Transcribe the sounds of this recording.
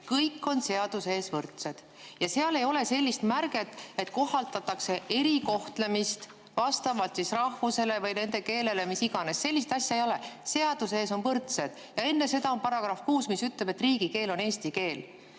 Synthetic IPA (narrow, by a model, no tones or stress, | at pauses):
kɤjkːˑo̞nse̞ɑd̪̥use̞ːsvɤrt̪se̞d̪̥ | jɑseɑle̞jo̞le̞se̞lʲːist̪mærɡe̞t̪ːˑe̞t̪ko̞ɦːɑlt̪ɑt̪ːˑɑkse̞ʔe̞ɾiko̞ht̪le̞mist̪ | vɑst̪ɑvɑlt̪sisrɑhvuse̞le̞vɤjne̞nd̪e̞ke̞ːle̞le̞misiɡ̥ɑnesːe̞lʲːist̪ɑsʲjɑejo̞lese̞ɑd̪̥use̞ːso̞nvɤrt̪se̞d̪̥ | jɑe̞nːe̞se̞d̪ɑo̞npɑɾɑɡ̥ɾɑfkuːsmisyt̪ˑlebe̞t̪ːriːɡ̥ike̞ːlo̞ne̞ːst̪ike̞ːl